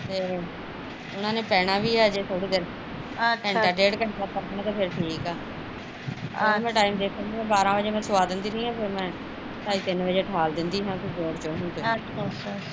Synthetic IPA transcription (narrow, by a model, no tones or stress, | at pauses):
t̪eː | ʊnãːneːpɛːɽ̃ãːʋiːaːd͡ʒeːt̪ʰoːɽiːd̪eɾ | ɛɳʈaːʈeːɽkəʈaːkəɾnãːt̪eːpʰɪɾʈʰiːkɛː | mɛ̃ːʈaːiːmd̪eːkʰənːɛ̃ːbaːɾãːʋəd͡ʒeːmɛ̃ːsʊʋaːd̪ɪnd̪iːɾiːãːpʰɪɾmɛ̃ː | ʈaːiːt̪ɪnʋəd͡ʒeːʈʰaːld̪ɪnd̪iːɦãːkʰɪɾd͡ʒoːɾt͡ʃoːɦʊ̃nd̪oː